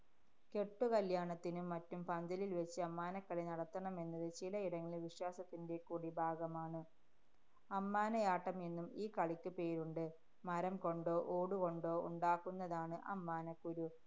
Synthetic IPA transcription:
ke̞ʈːukɐljaːɳɐt̪ːinumːɐtːumpɐnd̪ɐlilʋet͡ɕːɨɐmːaːnɐkːɐɭinɐɽɐt̪ːɐɳɐme̞nːɐðɨt͡ɕilɐiɽɐŋːɐɭiʋiɕwaːsɐt̪ːinde̞kːuːɽibʱaːɡɐmaːɳɨ | ɐmːaːnɐjaːʈːɐme̞nːumiːkɐɭikʲːɨpe̞ːɾuɳɖɨ | mɐɾɐmko̞ɳɖoːʔoːɽuko̞ɳɖo̞ːṵɳɖaːkːunːɐðaːɳɨʔɐmːaːnɐkːuɾu

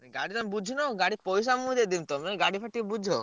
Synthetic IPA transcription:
ɛɡaɽit̪ɔmebud͡ʒʱinɔɡaɽipɔjsamuid̪ed̪imt̪omeɡaɽipʰaʈːibud͡ʒʱo

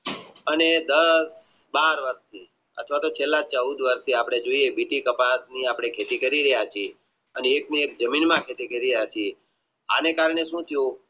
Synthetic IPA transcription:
əned̪əsbaɾʋəɾst̪ʰi | ə̰t̪ʰʋat̪ot͡ʃʰelːãt͡ʃəud̪ʋəɾst̪ʰiapɽ̃ed͡ʒoiebiʈikəpat̪niapɽ̃ekʰet̪ikəɾiɾəjat͡ʃʰie | əneːkniek̚d͡ʒəminmãkʰet̪ikəɾiɾjat͡ʃʰie | a̰nekaɾɳ̃eʃũt̪ʰijũ

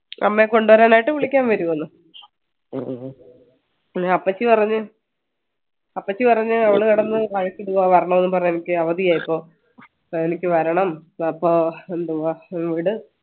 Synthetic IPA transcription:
ʔɐ̰mːeko̞ɳɖuʋɐɾaːnaːjiʈːɨʋiɭikʲːaːnʋɐɾuɣɐnːu | ɐpːɐt͡ɕːɨpɐrɐɲːɨ | ɐpːɐt͡ɕːɨpɐrɐɲːɨɐʋiɭɨkɐɽɐnːɨkɐɻɐkʲːiɽuɣaːʋɐɾɐɳɐmenːɨp̬ɐrɐɲːenikʲːɨɐʋɐðijaːjipːo̞ː | enikʲːɨʋɐɾɐɳɐmpːoːend̪uɐʋiɽɨ

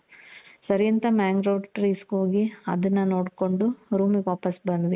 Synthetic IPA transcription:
sɐɾijɐnt̪ɐmaːŋɡɾɐːɖʈɾiːskɦoːɡiɐd̪ɐnːɐnoːɽko̞ɳɖuɾuːmiʋaːpɐsbɐnd̪ʋi

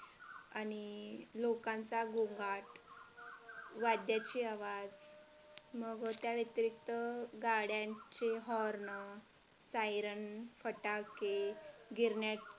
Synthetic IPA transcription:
anilokãnt͡saɡoŋɡaʈ | ʋad̪jat͡ɕiːaʋad͡z | məɡt̪jaʋjet̪ɾik̚t̪əɡaɽjat͡ɕeɦɔɾɳə | sajɾənfəʈakeɡʱiɾɳjat

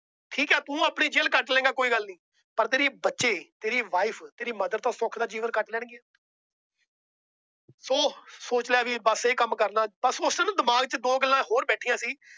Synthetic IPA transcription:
ʈʰiːkɛːt̪ũːaːpɳiːd͡ʒeːlkəʈlɛ̃ːŋɡaːkoːiːɡəlnĩː | pəɾt̪eːɾeːbətːʃeːt̪eːɾiːʋaːipʰt̪eːɾiːməd̪əɾt̪ãːsʊkʰd̪aːd͡ʒiːʋənkəʈlɛ̃ːɳɡeaː | soːsoːt͡ʃlejaːʋiːbəseːkəmkəɾnãːbəsʊsnːd̪ɪmaːɡt͡ʃəd̪oːɡəlːãːɦoːɾbɛːʈʰiːjãːsiː

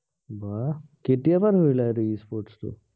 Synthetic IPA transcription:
bakeʈːijaːpɐɾʋeɭːaːɾuiːspoːɾʈst̪ṵ

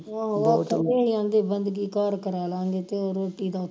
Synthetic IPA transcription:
ãːakʰeːiãːnd̪eːbənd̪ɡiːkaːɾkəɾaːlãːŋɡeːt̪eoːɾoːʈːiːd̪aːʊ

